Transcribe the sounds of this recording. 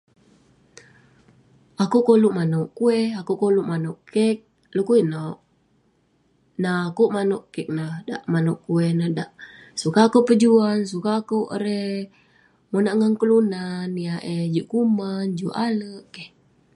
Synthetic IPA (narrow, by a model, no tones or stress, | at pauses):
akukoluʔmanoʔkuɛhakuʔkoluʔmanoʔkɛk̚ | lukuinoʔ | naːkuʔmanoʔkɛk̚nada̰ʔmanoʔkuɛhnahdaʔ | sukakoʔpəd͡ʒuans̬ukaːkoʔɾɛ | monaʔŋaŋkəlunanːiaʔed͡ʒuʔkumand͡ʒuʔaləʔkɛh